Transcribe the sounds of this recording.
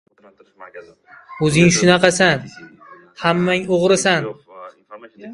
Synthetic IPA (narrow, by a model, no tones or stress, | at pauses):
ɵzɪŋʃʊnɑqɑsan | hamːaŋoʁɾɪsan